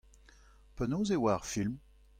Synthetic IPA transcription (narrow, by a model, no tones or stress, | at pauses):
pənozewaʁfilm